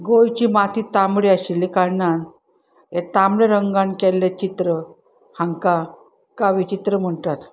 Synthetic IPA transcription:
ɡojt͡ɕimat̪ʰiːt̪ambɭiaɕilːikaɾnan | et̪amɽeɾəŋɡãnkɛlːet͡ɕit̪ɾə | hãŋka | kaʋit͡ɕit̪ɾəm̤əɳʈ̪at̪

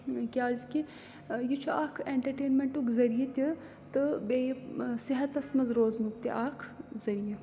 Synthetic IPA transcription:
kʲaːzki | jit͡ʃʰuaːkʰeːɳʈɐɾʈeːnmeɳʈukzɐɾijɐt̪ʲi | t̪ɨbeːjsiɦɐt̪ɐsmɐzɾoːznuk̚t̪ʲḭʔaːkʰzɐɾijɐ

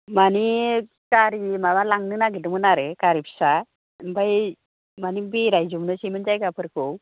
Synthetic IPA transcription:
mani | kaɾimaʋalaŋɡnɯnaɡ̬it̪̬umənaɾɯkaɾipsa | baj | manibeɾajd͡ʑumnəsimənd͡ʒajkapəɾko

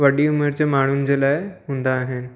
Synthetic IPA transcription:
ʋəɽiːumeɾt͡ɕemaɽ̃uːnd͡ʑelajɦund̪aːɦen

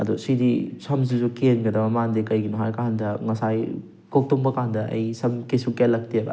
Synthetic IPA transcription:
ɐdusidisɐmz̬izukenɡɐdɐmɐmandikɐjɡinuɦaɾkandɐŋɐsaj | kok̚tuŋbɐkandɐʔɐ̰jsɐmkesukelːɐk̚tiɐɡɐ̰

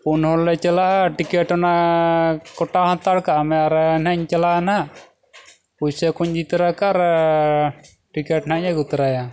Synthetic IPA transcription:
punhɔllɛt͡ʃalaʔʈikɛʈɔna | kɔʈaɦɔt̪aɽkaʔamɛaɾɛnaɲt͡ʃalaanaʔ | pusɛkuɲd͡ʒit̪ɾakaɾ | ʈikɛʈnaʔɲaɡut̪ɾaja

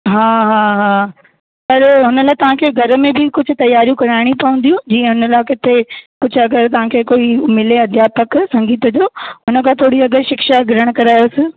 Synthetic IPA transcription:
ɦaːɦaːɦaː | sɐɾɦʊnəlaːɪt̪ɐʋ̤ãːkʰeːɡʱɐɾmẽbɪkʊd͡ʑʱʊ̆t̪ɐjaːɾijũkɐɾaːɪɽ̃ĩpɐʋə̃n̆d̪ijũd͡ʑiːə̃ɦʊnəlaːkɪt̪ʰekʊd͡ʑʱʊɐɡəɾt̪ɐʋ̤ãːkʰeːkoːimɪleɐd̪ʱjaːpəksɐ̃ŋɡiːt̪əd͡ʑoːɦʊnəkʰãːt̪ʰoːɽiɐɡəɾʃɪkʃaɡɪɾəɽ̃kɐɾaːjosɪ̆

